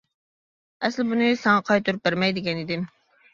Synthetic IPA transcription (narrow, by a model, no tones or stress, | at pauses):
ɛslɪbunɨsɑŋɑqʰɑjt̪uɾɨp̚bɪɾmɛjd̪ɪkʲɛnid̪ɪm